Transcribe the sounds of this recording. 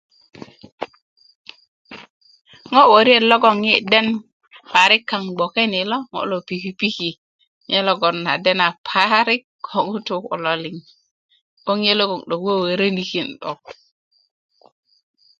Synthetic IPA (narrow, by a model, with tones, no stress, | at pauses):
ŋo˦wo˨ɾi˦e˨lo˦ɡo˦˨ŋje˦de˦n | pa˨ɾi˦kːa˨ŋɡ͡bo˨ke˦ni˨lo˦ŋo̰˦lo˨pi˨ki˦pi˦ki˨ | ɲe˦lo˦ɡo˨nːa̰˨de˦na˨pʰa˦ɾi˦kʰː | o˨ŋu˦tu˦kṵ˨lo˨li˨ŋ | o˦ŋje˦lo˦ɡo˨ŋɗo˨kwe˦we˨ɾe˦ni˨ki˨nɗo̰˨k̚